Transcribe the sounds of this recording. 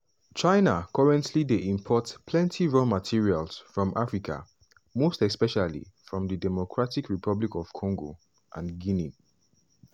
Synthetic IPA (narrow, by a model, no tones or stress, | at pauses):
t͡ʃaɪnakʰɔɹɛ̃ntʰlideʔĩmpʰɔtpʰlɛ̃ntʰiɹɔmatʰiɹialsfɹɔ̃mʔafɹikʰa̰ | mostɛspɛʃalḭfɹɔ̃mðədɛmɔkʰɹatikʰɹipʰʌblikɔv̥kʰɔ̃ŋɡo | ʔã̰nɡinĩn